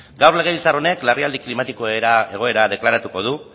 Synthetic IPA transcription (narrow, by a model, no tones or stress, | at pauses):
ɡawrle̞ɣ̞e̞βilt͡saɾo̞ne̞kleriald̪iklimat̪ikoeɾae̞ɣ̞o̞e̞ɾað̞e̞klaɾat̪uko̞ð̞u